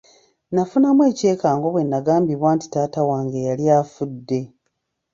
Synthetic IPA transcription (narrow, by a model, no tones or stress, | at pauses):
nafunamwe̞ːce̞ːkaːŋɡo̞βwe̞nːaɡaːmbiβwaːnti̥taːtawaːŋɡejalijaːfudːe̞